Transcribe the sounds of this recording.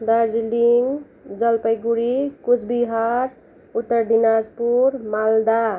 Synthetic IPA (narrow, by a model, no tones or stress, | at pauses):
d̪aɾd͡ʒiliŋɡ | d͡zʌlpəjɡuɾikut͡sʰbiɦaɾ | ut̪ːəɾɖinad͡zpuɾmald̪a